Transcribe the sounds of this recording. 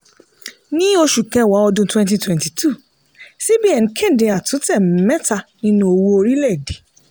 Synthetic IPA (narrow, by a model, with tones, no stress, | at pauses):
nĩ˦o˧ʃu˨kɛ̃˧˨wa˨˦ɔ˧dũ˧twɛ̃˧nt̬i˧twɛ̃˨nti˨tʰu˦˨ | si˦bi˦ɛ˨n˨kʰɛ̃˦˨dẽ˧a˨tũ˨˦tɛ˦˨m˨˦mɛ̃˦ta˧nĩ˦nũ˧˦o˧wu˧o˧ɾi˦lɛ˦˨de˨˦